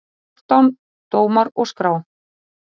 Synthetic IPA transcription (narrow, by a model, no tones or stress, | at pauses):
t̪awn | t̪oːwmaɾɔskɾaw